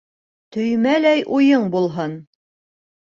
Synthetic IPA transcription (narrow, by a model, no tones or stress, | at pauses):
t̪ɵ̆jmælæjʔujɤɴbulˠɦɤn